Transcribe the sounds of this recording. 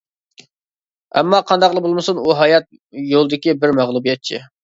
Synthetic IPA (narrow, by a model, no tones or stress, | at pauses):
ɛ̰mːɑqʰɑnd̪ɑqlˠəbolˠmɨsunuɦɑjɑt̪̚ | jolˠɨd̪ɪkʲibɪɾmæʁlˠubijɛt̪̚t͡ʃʰi